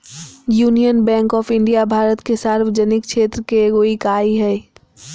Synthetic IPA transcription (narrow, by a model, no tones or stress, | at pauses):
juːnijənbɛ̃ːŋkɔːfɪ̃ɳɖijabʱaːɾət̪kesaːɾʋəd͡ʒənɪkʃʰeːt̪ɾəkeɡoːikaːiɦɛː